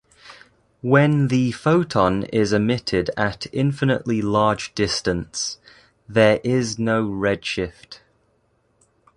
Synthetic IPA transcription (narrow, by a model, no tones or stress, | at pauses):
wə̃nðəfoʊtʰɒ̃nɪzəmɪtʰɪdətʰɪ̰̃ɱfɪnə̰ʔlilɑːd͡ʒdɪstə̃ns | ðəɹʔɪznoʊɹɛd̥ʃɪft